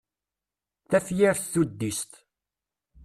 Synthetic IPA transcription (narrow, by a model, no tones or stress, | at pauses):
θæfjæɾθθud̪ːist̪